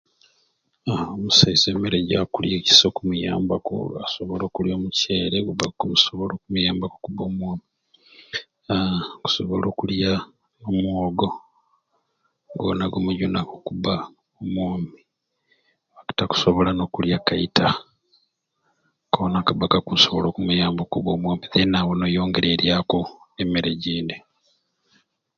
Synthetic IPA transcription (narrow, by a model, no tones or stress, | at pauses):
omusaizeːmeɾeɟakuljeci̥sokumujaːmbako̰asoβolo̞ːkuljo̞ːmuce̞ːɾeɡuβakumusoβolo̞ːkumujaːmbako̥kubo̞ːmwoːmi | ku̥so̞βo̞lo̞ːkulja | omwoːɡo | ŋɡo̰naɡomuɟunakokuβa | omwoːmi | βaki̥taku̥soβo̞lano̞kuljakaitʰa | konakaβakakusoβolo̞ːkumujaːmbokuβoːmwoːmiðenawonojo̞ːŋɡe̞ɾe̞ɾjako | emiɾeɟiːndi